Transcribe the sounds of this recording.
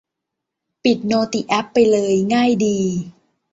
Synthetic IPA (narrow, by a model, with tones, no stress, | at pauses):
pi˨˩t̪̚noː˧t̪i˨˩ʔɛ˦˥pːa˧jlɤː˧jŋaː˥˩jdiː˧